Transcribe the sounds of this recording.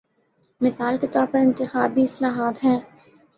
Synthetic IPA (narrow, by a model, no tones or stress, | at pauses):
mɪsaːlket̪ɔːɾpɐɾɪ̃nt̪ɪxaːbʱiɪslaːɦaːt̪ɦɛ̃ː